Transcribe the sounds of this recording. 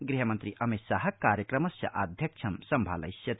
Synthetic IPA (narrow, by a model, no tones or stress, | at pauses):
ɡɾiɦəmənt̪ɾiʔɐmisaɦɐ̆kːaɾjəkɾɐmɐsjɐ̰ʔad̪ʱjɐkt͡ʃʰɐmsɐmbʱa̰lɐ̰jsjɐt̪